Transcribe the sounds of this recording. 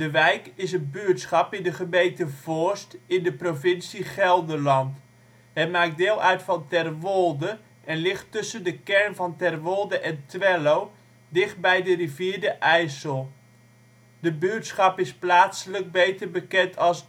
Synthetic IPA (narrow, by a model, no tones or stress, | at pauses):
d̥əʋɛjkɪs̬ənbyətsχɑpɪndəχəmejntəv̥ɔɹstɪndəprovɪnsiχɛlˠdəlɑnt | ɦɛtmaːk̚dɪːlˠʔœɥtfɑntɛrʋolˠdə | ʔɛnlɪχtɵsəndəkɛɹnvɑntɛrʋolˠdəʔɛntʋɛlow | dɪχt̚bɛjdəriviːɹdəʔɛjsəlˠ | dəbyətsχɑpɪsplaːtsələɡ̚bejtəɹbəkɛntʰɑlˠs